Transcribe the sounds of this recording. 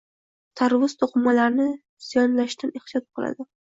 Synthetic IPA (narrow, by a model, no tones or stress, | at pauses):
t̪ʰaɾvʊzt̪ʰoqɨmːalaɾnɪ | z̥ijɒnlaʃt̪aneht̪ijɒt̪̚qʰɨlˠa̰d̪ɪ